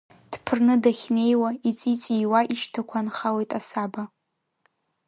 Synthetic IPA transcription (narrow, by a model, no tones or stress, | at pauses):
d̥pʰɨrnɨdaχʲne̞jwait͡sʼit͡sʼiwaʔiʃtʰakʷʰanχawejtʼasaba